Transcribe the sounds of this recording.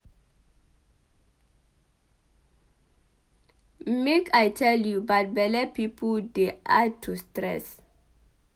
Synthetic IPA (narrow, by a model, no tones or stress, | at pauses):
mekʰajtʰɛljubat̚bɛlɛpipʰɔdeʔatʰustɹɛ̰s